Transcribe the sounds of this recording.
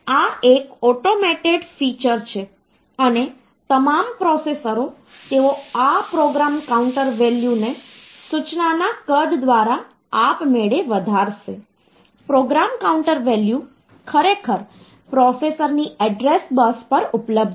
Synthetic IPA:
aekɔʈomɛʈeɖfit͡ʃəɾt͡ʃʰe | əne | t̪əmampɾɔsesəɾo | t̪eʋoapɾoɡɾamkauɳʈəɾʋeljune | sut͡ʃnanakəɖd̪ʋaɾa | apmeɭeʋəd̪ʱaɾʃe | pɾoɡɾamkauɳʈəɾʋelju | kʰəɾekʰəɾ | pɾɔsesəɾniɛɖɾesbəspəɾupləb̚d̪

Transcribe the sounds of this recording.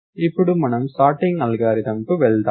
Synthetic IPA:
ɪpːɯɽɯmːɐnɐmsʈaːɾʈːɪŋɡɐlɣaːɾɪðɐmkɯʋɛɭd̪a

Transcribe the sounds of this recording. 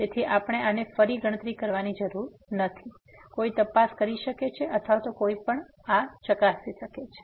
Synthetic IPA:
d͡ʒ̪et̪ʰiʔapəɽ̃eanefəɾiɡʱəɽ̃ət̪ɾikəɾʋanid͡ʒəɾuɾ | nət̪ʰi | koit̪əpaskəɾiʃəket͡ʃʰeʔət̪ʰʋat̪okoipəɳ | at͡ʃəkasiʃəket͡ʃʰe̥

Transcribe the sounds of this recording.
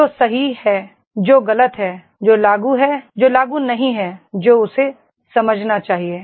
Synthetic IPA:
oːsɐɦihɛː | d͡ʒoːɣɐlət̪ɦɛː | d͡ʒoːlaːɡuɦɛd͡ʒoːlaːɡunɐɦĩɦɛd͡ʒoːʊse | sɐməd͡ʒʱnat͡ʃaːɦieː

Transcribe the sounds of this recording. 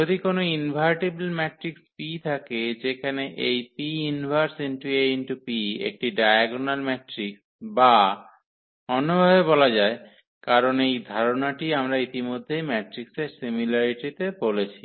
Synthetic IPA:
od̪ʱikonoinbʱajʈeblmɛʈɾikspit̪ʰaked͡ʑekʰaneʔejpiinbʱaɾsinʈuenʈupiḛk̚ʈiɖajaɡonalmɛʈɾiks | ba | ɔnobʱabebɔlad͡ʑae | kaɾonejd̪ʱaɾonaʈiamɾait̪imod̪ʱːejmɛʈɾikseɾsimilaɾiʈit̪ebolet͡ɕʰi

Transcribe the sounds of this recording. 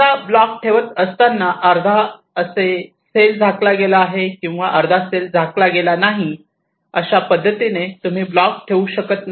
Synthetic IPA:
ablɔk̚ʈʰeʋət̪əst̪anːaʔəɾd̪ʱa | əse | seld͡zʱaklaɡelaːɦekĩw̃ʋaʔəɾd̪ʱaseld͡zʱaklaɡelanaɦi | əɕapəd̪ʱːət̪inet̪um̤iːblɔk̚ʈʰeuɕəkət̪n

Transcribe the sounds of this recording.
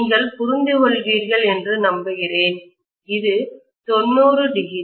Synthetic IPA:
ŋɡɐɭpʊɾɪnd̪ɯɣɔɭʋiːɾɣɐɭɛndrɯnɐmbɯɣɪreːn | ɪðɯ | t̪ɔnːuːrɯɖɪɣɪ

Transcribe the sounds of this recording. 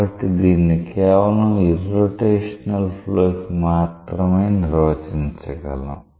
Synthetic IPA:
ɐʈːid̪iːnːikɛːʋɐlɐmiɾoːʈeːʂɐnɐlpʰloːkimaːt̪ɾɐmejniɾoːt͡ʃiɲt͡ʃɐɡɐ̰lṵm

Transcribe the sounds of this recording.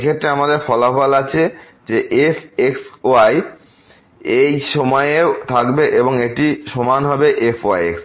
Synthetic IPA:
ekʰet̪ːɾeamad̪eɾfɔlafɔlat͡ɕʰe | d͡ʑeʔefeksoaj | ejʃɔmɔeeot̪ʰakbeʔeboŋeʈiʃɔmanɦɔbeʔefʰoa̰jḛks

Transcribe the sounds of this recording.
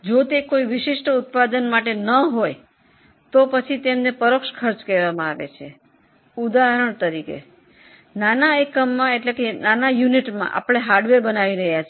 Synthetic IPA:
d͡ʒot̪ekoiʋɪʃiʃʈʊt̪̚pad̪ənmaʈenəɦoj | t̪opət͡ʃʰit̪emnepəɾokʃkʰəɾt͡ʃkeɾʋamãaʋḛt͡ʃʰe | ud̪aɦəɾəɳt̪əɾikḛ | nanaekəmːãeʈlekenanajuniʈmã̰ʔa̰pɽ̃eɦaɾɖʋeɾbənaʋiɾəɦjat͡ʃʰ

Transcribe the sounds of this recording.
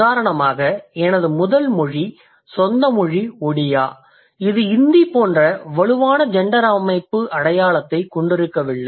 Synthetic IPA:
aːɾɐɳɐmaːɣɐɛnɐðɯmʊðɐlmɔɻi | sɔnd̪ɐmɔɻiɔɽɪjaː | ɪðɯɪnd̪ipoːndrɐʋɐɻɯʋaːnɐd͡ʒɛɳɖɐɾɐmɐɪpːɯʔɐɽɐjaːɭɐt̪ːɐɪkɔɳɖɪɾɯkːɐʋɪɭːɐ

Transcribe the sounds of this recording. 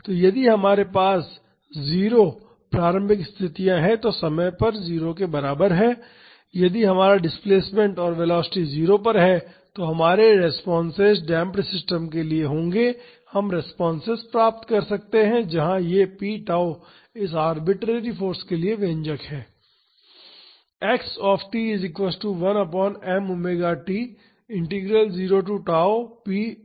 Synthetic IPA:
t̪oːjɐd̪iɦɐmaːɾepaːs | ziːɾo | pɾaːɾə̃mbʱɪkɪst̪ʰɪt̪ijãɦɛ̃t̪osɐməjpɐɾziːɾokebɐɾaːbəɾɦɛː | jɐd̪iɦɐmaːɾaɖɪspleːsmẽɳʈɔːɾʋeːlɔːsɪ̥ʈiziːɾopɐɾɦɛ | t̪oɦɐmaːɾeɾɛspɔːnsezɖɛ̃ːmpʈsɪsʈəmkelieɦõːŋɡe | hɐmɾɛspɔːnsezpɾaːp̚t̪kɐɾsɐk̚t̪eɦɛ̃d͡ʒɐɦãjepiːʈaːo | ɪsaːɾbɪʈɾeːɾifoːɾskelieʋẽːɲd͡ʒəkhɛː | ɛːksɔːfʈiːɪzɪkʋɛsʈuʋɐnɐpɔːnɛːmʊmeːɡaʈiː | ɪ̃ɳʈiɡɾəlziːɾoʈ̬uʈaːopiː

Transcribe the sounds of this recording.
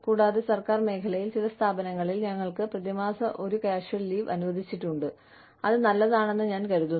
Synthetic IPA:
kuːɽaːðesɐrkaːrme̞ːkʰɐlɐjilt͡ɕilɐst̪ʰaːbɐnɐŋːɐɭilɲɐŋːɐɭkɨprɐðimaːsɐʔo̞ɾukɐaːʂjɐɭliːʋɐnuʋɐd̪ʱit͡ɕːiʈːuɳɖɨ | ɐðɨnɐlːɐðaːɳe̞nːɨɲaːnkɐɾuðu

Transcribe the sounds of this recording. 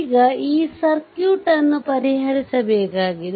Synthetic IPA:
ɡɐiːsɐɾkjuːʈɐnːupɐɾiɦɐɭisɐbɛːkaːɡil

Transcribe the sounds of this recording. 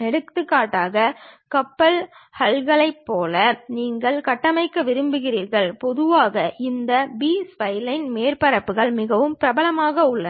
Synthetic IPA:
ɛɽɯkt̪ːɯkːaːʈːaːɣɐkɐpːɐlhɐlɣɐɭɐɪpːoːlɐniːŋɡɐɭkɐʈːɐmɐɪkːɐʋɪɾɯmbɯɣɪriːɾɣɐɭpɔðɯʋaːɣɐʔɪnd̪ɐbiːspɐɪlɐɪnmeːɾpɐɾɐpːɯɣɐɭmɪɣɐʋɯmpɪɾɐbɐlɐmaːɣɐʊɭːɐ

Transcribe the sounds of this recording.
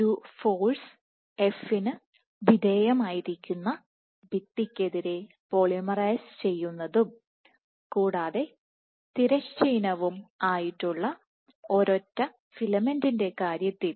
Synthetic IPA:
uːfoːɭs | e̞finɨ | bideːjɐmaːjiɾikʲːunːɐ | bit̪ːikʲːe̞ðiɾe̞ | poɭimɐrɐjst͡ɕe̞jːunːɐðum | kuːɽaːðe̞ | t̪iɾɐɕt͡ɕiːnɐʋumaːjiʈːuɭːɐ | o̞ɾo̞tːɐ | filɐmendinde̞kaːɾjɐt̪ːil

